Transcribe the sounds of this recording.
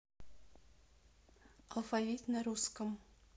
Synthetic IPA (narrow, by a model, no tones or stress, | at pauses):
ɑlˠfavit̪naɾuskəm